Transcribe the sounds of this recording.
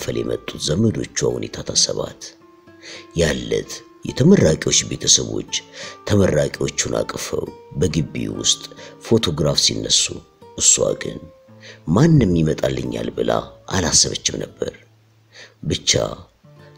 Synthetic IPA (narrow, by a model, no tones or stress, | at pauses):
fəljɛmət̪ʼːut̪zəməd̪o̞t͡ʃːuahunet̪ʰat̪ʰasəβat̪ | jalːət̪ | jɛt̪ʰəmərːakʼiwo̞t͡ʃːbe̞t̪ʰəsəβo̞̰t͡ʃːt̪ʰəmərːakʼiwo̞t͡ʃːunʔa̰kʼfəwbəɡɨbːiwʊst̪ʼfo̞t̪ʰo̞ɡɾafsinːəsːu | ʔɨsːua̰ɡɨn | manːɨmːjimət̪ʼalːɨɲːalbɨlaʔanasːəβət͡ʃːɪmnəbːəɾ | bɨt͡ʃːa